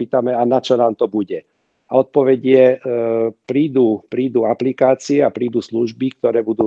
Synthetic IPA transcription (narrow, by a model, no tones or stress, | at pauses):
iːt̪amɛanat͡ʃɔnaːmt̪ɔbuɟɛ | aɔt̪̚pɔʋɛɟɪɛ | pɾiːd̪uːpɾiːd̪uaplikaːt͡siɛapɾiːd̪uːsluʒbik̚t̪ɔɾɛːbud̪uː